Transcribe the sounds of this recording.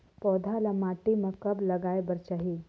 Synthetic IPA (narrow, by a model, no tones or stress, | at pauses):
pɔːd̪ʱalɐmaːʈimɐ̃kɐblɐɡaːebɐɾt͡ʃaɦiː